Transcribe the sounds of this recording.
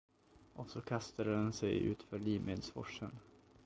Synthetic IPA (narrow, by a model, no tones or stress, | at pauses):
ʔɔsɔkʰast̪ad̪əd̪ɛnsɛjʉ̟̰ːt̪fœːɾɭiːmʔed̪sfɔ̰ʂːən